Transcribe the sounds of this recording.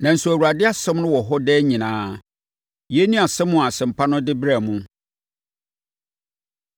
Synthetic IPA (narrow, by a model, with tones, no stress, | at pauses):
nã˨n̩˦su˨æ˨wu˨a˨dɪ˦a˦sɛ̃˦mnʊ̃˦wɔ˨ɦɔ˦dɛː˦ɲĩ˨nãː˨˦ | jɛ˦nĩ˦a˨sɛ̃˦mːʊ̃˦˨a˨sɪ̃˨m̩˨pʰa˦nʊ̃˦dɪ˦bɾa˨mũ˦